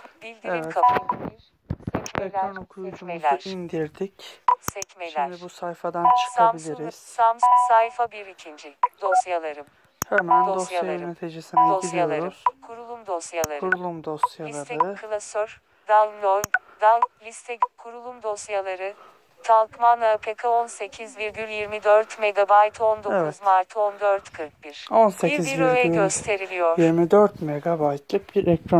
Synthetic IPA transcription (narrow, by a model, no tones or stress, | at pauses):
bilʲd̪iɛivɾɛkʰapaiɾ | sɛeonokʰuɾud͡ʒumlʲæuɾʔind̪iɾd̪icsɛcmelʲɛnibusajfad̪ant͡ʃʰɯ̥abilʲiɾiz̥samsajfabiɾicʰind͡ʒid̪̥osjalˠaɾɯm | hemænossaalnet̪ʰed͡ʒesinbilʲijoaɾuz̥kʰuɾulˠumd̪osjalˠaɾkuɾulˠumd̪osjalˠaɾt̪ɯkʰɯlˠasøɾ̥ | d̪alnod̪allʲist̪ʰɛkʰuɾulˠumd̪o̞sjalˠaɾɯ | t̪ʰalˠkmanapʰekʰaonse̞cʰizviɾɡʲyɾjiɾmid̪øɾt̪me̞ɡabajt̪ʰo̞nd̪ozmaɾt̪ʰond̪øɾt̪kʰɯɾk̚biɾ̥onseiiziviɾøɛyøst̪ʰe̞ɾilʲijo̞ɾiɾmid̪øɾt̪meɡabajt̪lʲip̚biɾʔɛcɾa